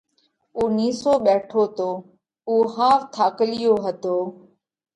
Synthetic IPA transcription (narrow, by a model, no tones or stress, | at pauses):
uʊːniːsoːɓɛːʈʰoːt̪oː | uːɦaːft̪ʰaːkəlɪjoːɦət̪oː